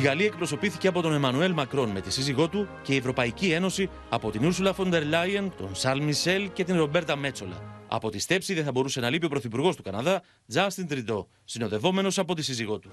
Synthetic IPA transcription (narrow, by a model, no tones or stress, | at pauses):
iɣɐliɐe̞k̚pɾo̞so̞piθiceɐpo̞t̪o̞ne̞mɐnue̞lmɐkɾo̞nme̞t̪isiziɣo̞t̪uce̞ie̞vɾo̞pɐicie̞no̞si | ɐpo̞t̪inuɾsulɐfo̞nd̪e̞ɾlɐjɐnt̪o̞̰nsɐɾlmise̞lce̞t̪inɾo̞be̞ɾt̪ɐme̞t͡so̞lɐ̰ɐ̰po̞t̪ist̪e̞psiðeθɐbo̞ɾuse̞nɐlipiopɾoθipuɾɣo̞st̪ukɐnɐðɐ | d͡zɐst̪int̪ɾid̪o̞ | sino̞ðe̞vo̞me̞no̞sɐpo̞t̪isiziɣo̞t̪u̥